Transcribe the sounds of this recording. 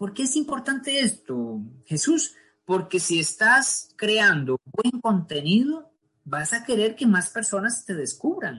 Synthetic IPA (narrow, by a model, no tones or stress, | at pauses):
po̞ɾke̞esimpo̞ɾt̪ant̪e̞est̪oxe̞sus | po̞ɾke̞siest̪askɾe̞and̪obwe̞ŋko̞nt̪e̞niðo | basake̞ɾe̞ɾke̞maspe̞ɾso̞nast̪e̞ðe̞skuβɾaŋ